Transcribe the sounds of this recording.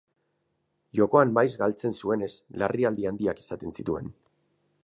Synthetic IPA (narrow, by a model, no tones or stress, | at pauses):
ʝo̞ko̞ammajzɡalt͡se̞nsue̞ne̞slariald̪iand̪iaki̥sat̪e̞nsit̪ue̞̰n